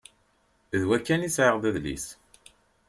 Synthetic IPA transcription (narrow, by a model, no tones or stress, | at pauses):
ðwækːænisʕəʁðæðlḭs